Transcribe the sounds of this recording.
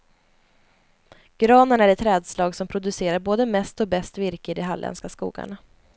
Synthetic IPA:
ɡ̥ɾɑːnəɳæɾɛt̪ʰːɾɛːd̪slɑːɡsɔmpʰɾʊd̪ɵseːɾaɾboːd̪əmɛst̪ɔbɛst̪vɪɾkɪd̪ɛɦalːʔɛ̰nskaskṵːɡa̰ɳa

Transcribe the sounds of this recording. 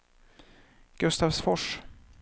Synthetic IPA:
ɡ̥ɵst̪aːvsfɔʂ

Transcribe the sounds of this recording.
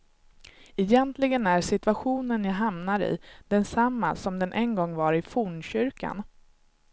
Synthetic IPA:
ɛjɛnt̪lɪɡənæɾʂɪt̪ɵvaɧuːnənjaɦamnaɾɪ̰d̪̥ɛnsamːa̰sɔmd̪ɛnʔɛnɡɔŋːvaɾɪfuːɳɕʏɾka̰n

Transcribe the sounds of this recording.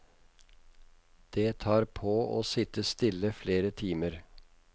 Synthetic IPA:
d̪̥eːt̪ʰɑːɾpʰoːʔo̰ːsɪt̪əst̪ɪləfleːɾət̪ʰiːməɾ

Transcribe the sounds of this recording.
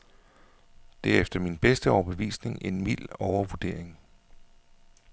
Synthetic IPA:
d̥eɐefd̥ɐminb̥esd̥əɒʊɐb̥əʋḭːsne̝ŋe̝nmil̰ɒʊɐʋuɐd̥e̝ɐ̰e̝ŋ

